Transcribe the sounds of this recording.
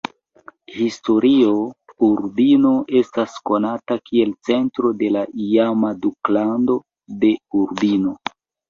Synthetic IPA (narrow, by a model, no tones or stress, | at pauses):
histo̞ɾio̞uɾbino̞ʔe̞stasko̞natakʰie̞lt͡se̞ntɾo̞de̞laʔiamaduklando̞ | de̞uɾbino̞